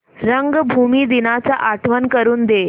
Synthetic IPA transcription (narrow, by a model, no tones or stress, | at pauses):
ɾəŋɡbʱumiːd̪inat͡saʔaʈʰʋənkəɾuːnd̪e